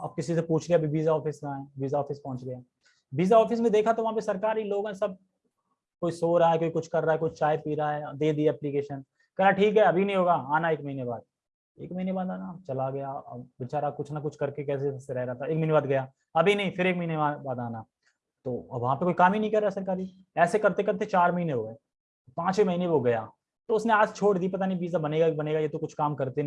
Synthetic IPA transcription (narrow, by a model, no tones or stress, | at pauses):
ɐ̰b̚kɪsisepuːt͡ʃʰɡɐjaɐbʱibiːzaɔːfɪszaːɛ̃ːbiːzaɔːfɪspɔ̃ɦʊ̃nt͡ʃɡɐjaː | biːzaɔːfɪsmẽd̪eːkʰat̪oʋɐɦãpesɐɾkaːɾiloːɡɦɛ̃sɐb̚ | koːisoːɾɐaɦɛkoːikʊt͡ʃʰkɐɾːaːɦɛkoːit͡ʃaːjpiːɾaɦɛd̪eːd̪ieɛːplikeːʃən | kɐlaʈʰiːkɦɛɐbʱinɐɦĩɦoːɡaːaːnaeːkmɐɦiːnebaːd̪̚ | ḛːkmɐɦiːnebaːd̪aːnat͡ʃɐlaɡɐjaɐ̰ʋɪt͡ʃaːɾakʊt͡ʃʰnakʊt͡ʃʰkɐɾkekɛːs̬eseɾɛɦɾɐɦt̪aeːkmɐɦinebaːd̪ɡɐjaː | ɐbʱinɐɦĩfɪɾeːk̚mɐɦiːneabaːd̪aːna | t̪oːbʋɐɦãpekoːikaːminɐɦĩkɐɾːaːsɐɾkaːɾi | ɛːsekɐɾt̪ekɐɾt̪ʰet͡ʃaːɾmɐɦiːneɦoːɡɐeː | pãːt͡ʃimɐɦiːneʋoɡɐja̰ː | t̪oʊsneaːd͡ʒt͡ʃʰoːʈd̪iːpɐt̪̬anĩbiːzabɐneːɡabɐneːɡajet̪okʊt͡ʃʰkaːmkɐɾt̪e